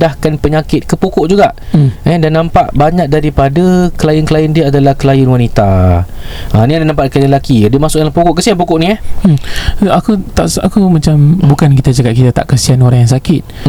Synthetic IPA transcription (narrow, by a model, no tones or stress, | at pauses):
dahkanpəɲakɪt̪̚kəpokoʔd͡ʒuɡaʔɛdanːampaʔbaɲak̚daɾipadakəlajənkəlajəndiəadalahkəlajənwanit̪a | aniandanãmpaʔkəlelakidəmasʊk̚dalahpokʊʔkəsianp̬okʊʔniah̩ | akut̪aʔakumat͡ʃambukankit̪ad͡ʒakat̪̚kit̪at̪a̰ʔkəsianoɾaŋjaŋs̬akɪt̪̚